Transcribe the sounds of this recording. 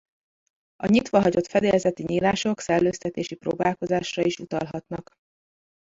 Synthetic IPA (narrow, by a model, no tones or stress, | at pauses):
ɒɲit̪ʋɒɦɒɟo̞t̪fɛd̪elɛzɛt̪iɲiːlaːʃo̞ksɛlːøːst̪ɛt̪eːʃiproːbaːlko̞zaːʃrɒiʃut̪ɒ̰lɦɒt̪nɒk